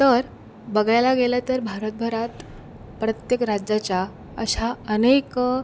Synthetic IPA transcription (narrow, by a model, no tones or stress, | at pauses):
t̪əɾ | bəɡajlaɡelat̪əɾbʱaɾət̪̚bʱəɾat̪ | pɾət̪jekɾad͡ʑjat͡ɕja | əɕaənek